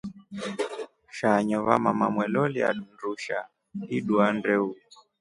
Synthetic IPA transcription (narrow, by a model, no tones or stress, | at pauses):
ʃaɲɔβa̰mamamwɛlɔlia̰ɗunduʃa̰ | iɗuandɛu